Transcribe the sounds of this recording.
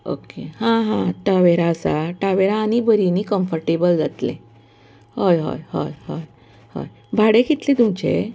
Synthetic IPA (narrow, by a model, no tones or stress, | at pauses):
o̰kehãɦãʈaʋeɾaəsa̰ʈaʋeɾaːnibəɾinikəmfəɾʈebəld͡zat̪lḛ̃ | hojɦo̰jho̰jɦo̰j | ho̰j | bʱaɽekit̪let̪umt͡ɕḛ